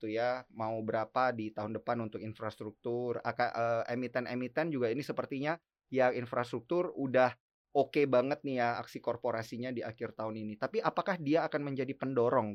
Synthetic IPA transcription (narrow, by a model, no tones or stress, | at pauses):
t̪ujamaubəɾapadit̪aɦʊndəpanunt̪ʊkinfɾast̪ɾuk̚t̪ʊra̰kaʔəemit̪ɛnemit̪ɛnd͡ʒuɡainisəpərt̪iɲa | jaŋinfɾast̪ɾuk̚t̪ʊrudah | okebaŋət̪̚nijaa̰ksikorpoɾasiɲadiakɪrt̪aʊninit̪apiʔapakahdiaːkanməɲd͡ʒadipəndoɾɔŋ